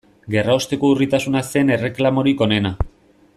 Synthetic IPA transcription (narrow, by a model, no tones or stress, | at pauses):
ɡe̞raost̪e̞ko̞urit̪asunase̞ne̞re̞klamo̞ɾiko̞ne̞na